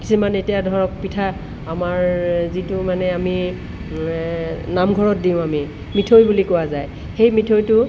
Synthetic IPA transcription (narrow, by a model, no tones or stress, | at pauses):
kisumanetijadʱɔɹɔk̚pitʰa | amaɹzitʊmanɛami | namɡʱɔɹɔt̚diʊ̃ami | mitʰojbulikowazaj | xejmitʰojtʊ